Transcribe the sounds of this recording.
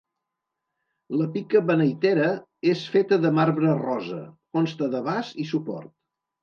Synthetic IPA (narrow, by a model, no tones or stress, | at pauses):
ləpikəβənəjt̪eɾə | esfet̪əðəmaɾβɾərɔzə̰konst̪əðəβazisupɔ̰rt̪̚